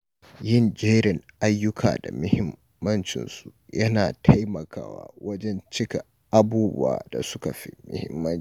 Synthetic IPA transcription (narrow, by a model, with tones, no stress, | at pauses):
jɪ˦˨nd͡ʒeː˦ɾɪ˨ŋʔa˦jːʊ˦kʰa̰ː˨da̰˨mʊ˦hɪ˦mː | ɐ˦nt͡ʃɪ̰˨nsu˨jɐ˦naː˨tʰa˦jmɐ˨kaː˦wa̰ː˦wɐ˦d͡ʒɛ˦nt͡ʃɪ˦ka˨ | ʔa˦buː˦bʊ̰˦a̰ː˨da̰˨sʊ˦ka˨ɸḭ˦mʊ̰˦hɪ˦mːɐ˦n˦